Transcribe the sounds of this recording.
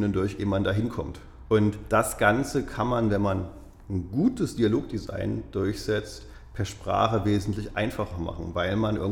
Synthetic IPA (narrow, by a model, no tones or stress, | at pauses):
nʊndʊɐçʔeːmandaɦɪnkʰɔmt | ʔʊntd̥asɡ̥ant͡səkʰanmanvɛnman | n̩ɡuːtəsd̥ialoːk̚d̥iza̰ɪnd̥ʊɐçz̥ɛt͡st | pʰɛɐʃpʁ̥a̰ːχəveːzn̩tlɪçʔa̰ɪnfaχɐma̰χn̩vaɪlmanʔɪ̰ɐŋ